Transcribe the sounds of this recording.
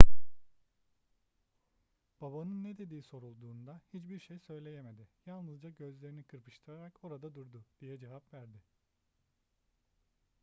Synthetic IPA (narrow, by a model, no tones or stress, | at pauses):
b̥abanɯnːed̪e̞d̪iːso̞ɾulˠd̪uːnd̪ahit͡ʃbiɾʃejsø̞jlʲe̞je̞me̞d̪ɪjalˠnɯzd͡ʒaɟø̞zlʲe̞ɾinikʰɯɾpʰɯ̥ʃt̪ʰɯɾaɾako̞ɾad̪ad̪uɾd̪ʊd̪̥ijɛd͡ʒevapvæɾd̪ɪ